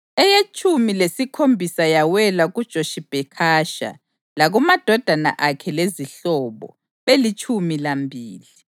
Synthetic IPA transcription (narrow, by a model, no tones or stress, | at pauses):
ɛjet͡ʃʰʼumilesikʰombʱisajawɛlaɣud̥ʒ̥ʱoʃib̥ʱɛkʰaːʃa̰ | laɣumad̥ʱɔd̥ʱana̰ʔakʰɛleziɬɔβɔ̰ | βelit͡ʃʰʼumilambʱiːli